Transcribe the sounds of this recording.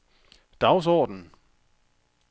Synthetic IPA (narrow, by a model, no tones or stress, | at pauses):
d̥ɑ̈ʊs̬ɒ̰ːd̥n̩